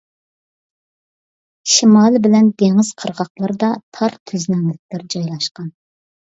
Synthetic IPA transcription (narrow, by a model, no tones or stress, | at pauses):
ʃimɑlˠbɪlɛnd̪eŋɪz̥qʰəɾʁɑχlˠɑɾd̪ɑt̪ʰɑɾt̪ʰyznɛŋlɪk̚ʲlæɾd͡ʒɑjlˠɑʃqɑn